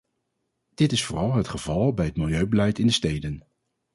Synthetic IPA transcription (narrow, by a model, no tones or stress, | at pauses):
d̥ɪtɪsfʊːrɑlˠɦətχəvɑlˠbɛjɦət̚mɪlˠjøɥbəlɛjtɪndəstejdən